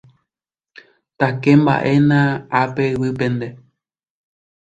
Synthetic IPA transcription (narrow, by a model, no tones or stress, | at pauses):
t̪akemba̰ʔe̞nãapewɨpẽ̞nd̪e